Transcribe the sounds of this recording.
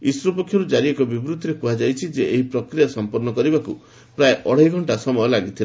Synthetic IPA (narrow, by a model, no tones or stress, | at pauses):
isɾɔpɔkʰjɔɾud͡ʒaɾiekɔbibɾut̪ʰːiɾekuɦad͡ʒajt͡ʃʰid͡ʒeeɦipɾɔkɾijasɔmpɔɾnɔkɔɾibakṵ | pɾaeʔɔɽ̤eiɡʱɔɳʈasɔmɔjɔlaɡit̪ʰila